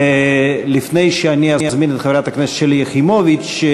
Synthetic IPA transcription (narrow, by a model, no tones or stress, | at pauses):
lifnejʃeaniaazminet̪χeveɾat̪aknɛse̥tt͡ʃʃelijeχimovit͡ʃː